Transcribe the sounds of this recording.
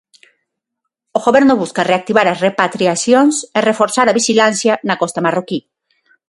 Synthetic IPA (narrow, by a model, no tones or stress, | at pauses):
oɣoβeɾnoβuskareak̚t̪iβaɾasrepat̪ɾiasjonserefoɾsaɾaβiʃilansjanakost̪amaroki